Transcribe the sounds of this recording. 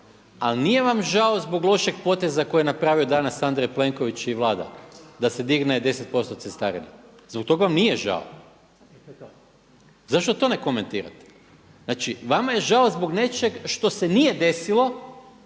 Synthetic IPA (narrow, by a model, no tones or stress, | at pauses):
alnije̞ʋamʒao̞zbo̞ɡlˠo̞ʃe̞ɡpo̞t̪e̞zako̞jenapɾaːʋio̞d̪anasand̪ɾejple̞ŋko̞ʋit͡ʃiʋlˠaːd̪a̰d̪ase̞d̪iɡned̪e̞set̪̚po̞st̪ot̪sest̪aɾina̰ | zbok̚t̪o̞ɡaʋamnijeʒa̰o̰ | zaʃt̪o̞t̪o̞ne̞ko̞me̞nt̪iːɾa̰t̪ | naːt͡ʃiʋamaje̞ʒao̞zboɡne̞t͡ʃe̞ɡʃt̪o̞senije̞d̪e̞silˠo̞